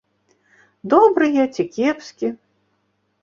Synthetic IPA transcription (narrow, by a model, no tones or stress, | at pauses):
d̪ɔbɾɨjɛt͡sʲikʲɛpsʲkʲi